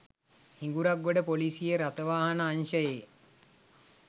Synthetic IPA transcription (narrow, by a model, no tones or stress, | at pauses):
hiŋɡuɾaɡːoɖəpolisijeɾat̪əʋaːɦanəːnʃəjeː